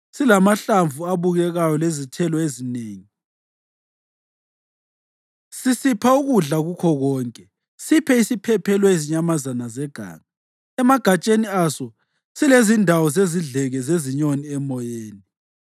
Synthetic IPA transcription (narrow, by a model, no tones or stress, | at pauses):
silamaɬaɱvuaβuɣɛɣajɔlezitʰɛlɔezineːŋi | sisipʰauɣuɮaɣukʰɔɣɔːŋkʼɛ | sipʰɛisipʰɛpʰɛlɔeziɲamazanazɛɡ̥ʱa̰ːŋa | ɛmaɡ̥ʱat͡ʃʼeniasɔ | silezindʱawɔzeziɮɛɣɛzeziɲoniɛmɔjeːni